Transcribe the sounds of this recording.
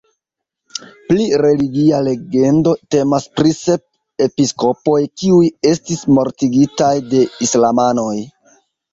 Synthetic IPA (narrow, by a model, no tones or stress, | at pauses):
pliɾe̞liɡiale̞ɡe̞ndo̞te̞maspɾise̞p̚ | e̞pisko̞po̞jkiuje̞stismo̞ɾtiɡitajde̞islamano̞j